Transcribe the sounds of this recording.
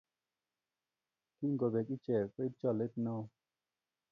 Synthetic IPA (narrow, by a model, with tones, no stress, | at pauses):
ki˦ŋ˨ɡo˨be˨ki˦t͡ʃɛ˨ke˦i˦t͡ʃɔ˦˨le˦tna˦w